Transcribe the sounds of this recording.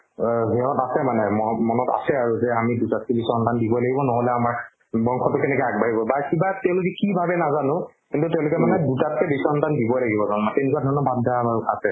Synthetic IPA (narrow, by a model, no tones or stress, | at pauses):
ɦɛɔ̃tasɛmanɛmɔmɔnɔta̰sɛaɹuzɛamidutat̚kɛbisɔntandibɔlaɡibɔnɔɦolɛamaɹ | bɔŋkʰɔtʊkɛnɛkɔaɡ̚baɦibɔbakibatɛʊ̃lokɛkibʱabɛnazanʊ̃ | kĩntutɛʊ̃lʊk̬ɛmanɛdutat̚kɛbisɔntandibɔlaɡibɔzanmatɛʊ̃nikuadʱɔnɔbadʱaamaɹukʰatɛ